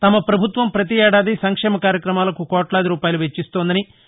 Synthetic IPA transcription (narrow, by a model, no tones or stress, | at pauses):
t̪ɐmɐpɾɐbʱut̪ʋɐmpɾɐt̪iɛːɽaːd̪isɐŋkʂɛːmɐkaːɾjɐkɾɐmaːlɐkukɔːʈlaːd̪iɾuːpaːjɐluʋet͡ʃːist̪oːnd̪ɐni